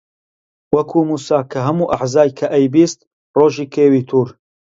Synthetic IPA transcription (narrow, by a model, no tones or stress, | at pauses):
wɐkʰumuːsaːkʰɐɦɐmuːʔaħzaːjkʰɐʔɛjbiːst̪̚ | roːʒiːkʰeːwiːt̪ʰuːɾ